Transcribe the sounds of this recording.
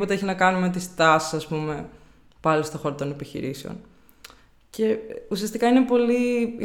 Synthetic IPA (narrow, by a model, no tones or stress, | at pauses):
o̞t̪eeçinɐkɐnumet̪ist̪ɐsi̥sɐspume̞ | pɐlist̪oxo̞ɾot̪o̞nepiçḭɾise̞o̰n | ce̞usiɐst̪ikɐine̞po̞li